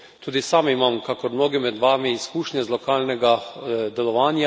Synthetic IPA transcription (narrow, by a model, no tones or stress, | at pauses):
t̪uːd̪isaːmimamkakɔɾmnoːɡɛmɛd̪ʋaːmiːskuːʃnʲɛzlɔkaːlnɛɡad̪ɛlɔʋaːnja